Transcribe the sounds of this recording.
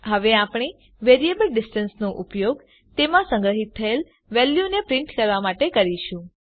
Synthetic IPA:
ɦəʋeapɳ̃i | ʋeɾiebəlɖisʈənsnõʔʊpjoɡ | t̪emãsə̃ŋɡɾəɦit̪ʰːəel | ʋɛljunepɾɪ̃ɳʈkəɾʋamaʈekəɾiʃũ

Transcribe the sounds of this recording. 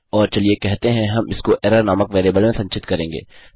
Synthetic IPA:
ɔːɾt͡ʃɐliekɛɦt̪eɦɛ̃ɦɐmɪskoʔɛːɾəɾnaːməkʋeːɾiːbəlmẽsɐ̃ɲt͡ʃɪt̪kɐɾẽːŋɡḛː

